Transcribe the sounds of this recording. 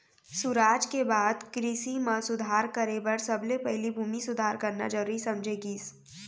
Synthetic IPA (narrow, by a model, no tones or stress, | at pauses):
sʊɾaːd͡ʒkebaːd̪kɾisimãsʊd̪ʱaːɾkəɾebəɾsɐblepɛɦlibʱuːmisʊd̪ʱaːɾkəɾna̰d͡ʒəɾisɐ̃md͡ʒʱeɡiːs